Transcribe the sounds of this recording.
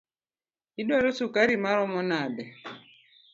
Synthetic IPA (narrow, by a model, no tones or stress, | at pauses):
idwaɾɔsukaɾimaɾɔmɔnadɛ